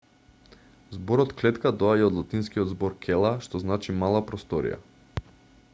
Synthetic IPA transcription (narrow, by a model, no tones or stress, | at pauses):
zbɔɾɔt̪klɛt̪kad̪ɔaɟaɔd̪lˠat̪inskiɔd̪zbɔɾkʰɛlˠaʃt̪ɔznat͡ʃimalˠapɾɔst̪ɔɾḭja̰